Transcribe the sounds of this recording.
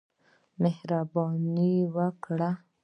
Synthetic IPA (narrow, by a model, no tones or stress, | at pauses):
mehɾabɑniwəkɽa